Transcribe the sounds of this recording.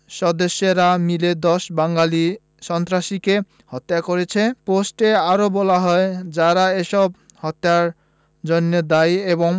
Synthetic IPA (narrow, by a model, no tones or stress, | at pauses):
ʃɔd̪eʃjeɾamiled̪ɔsbaŋɡali | ʃɔnt̪ɾaʃike | hɔt̪ːjakoɾet͡ɕʰeposʈeaɾobɔlaɦɔed͡ʑaɾaeʃɔb̚ | hɔt̪ːaɾ | d͡ʒonjɔd̪ajebɔŋ